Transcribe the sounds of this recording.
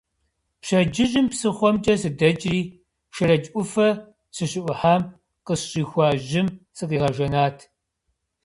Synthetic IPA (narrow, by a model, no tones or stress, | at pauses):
ɕɐd͡ʒɪʒɪmpsɨχʷɔmd͡ʒʼɐsɨdɐd͡ʒʼriː | ʃɨrɐd͡ʒʼʔʷʊfɐ | ɕɨɕɪʔʷʊħaːm | qəsɕʼiːxʷɑːʒɪmsɨqiːʁɐʒɐnaːtʰ